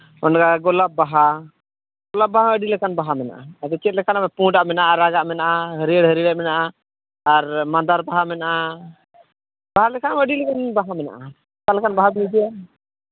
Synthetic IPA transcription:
mɔnɡaɡɔlap̚baɦa | ɡɔlap̚baɦaəɖilɛkanbaɦamɛna̰ʔa̰at̪ɛt͡ʃɛt̪̚lɛkʰanabɛpũɖaʔmɛnaʔaɾaɡaʔmɛnaʔaɦəɾiəɽɦəɾilɛmɛnaʔaː | ɾmand̪aɾbaɦamɛnaʔa | b̥aɦalɛkʰanəɖilɛkanbaɦamɛna̰ʔa | kalkanbaɦabiid͡ʒija

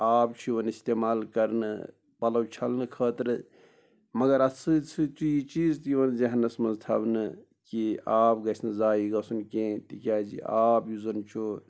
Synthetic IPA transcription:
aːp̚t͡ʃʰiʋɐnist̪eːmaːlkɐɾnɨ̰ | pɐlɐwt͡ʃʰɐlnɨkʰəːt̪ɾɨ | mɐɡɐɾɐt͡sʰɨt͡sʰɨt͡ʃiit͡ʃiːzt̪iʋɐnd͡ʒɐɦɐnːɐsmɐnzt̪ʰɐbnɨ | kiaːpɡɐsʰnɨzaːiɡɐsunkẽt̪ikʲaːd͡ʒḭaːpjuzɐnt͡ʃʰo

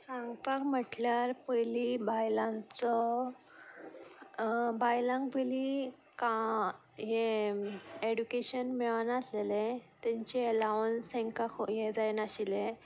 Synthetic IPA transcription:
sãŋɡpakm̤əʈljaɾpəjlibajlãnt͡sɔ | bajlãŋɡpəli | ka | ɦe | eɽukeɕənmɛɭanaaslelẽt̪ɛ̃ɲt͡ɕiəlawnsɛ̃ŋkakojed͡zajnaɕile

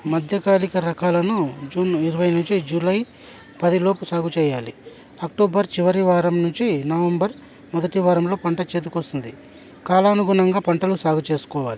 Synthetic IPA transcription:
mɐd̪ʱjɐkaːlikɐɾɐkaːlɐnud͡ʒuːniɾɐʋɐjnuɲt͡ʃid͡ʒuːlɐj | pɐd̪ilo̞ːpusaːɡut͡ʃɛːjaːlḭ | ɐkʈoːbɐɾt͡ʃiʋɐɾiʋaːɾɐmnuɲt͡ʃinɐʋɐmbɐɾ | mɔd̪ɐʈiʋaːɾɐmlo̞ːpɐɳʈɐt͡ʃeːd̪ukoɔst̪und̪i | kaːlɐːɐnuɡuɳɐŋɡaːpɐɳʈɐlusaːɡut͡ʃe̞ːsu̥kɔːʋaːli

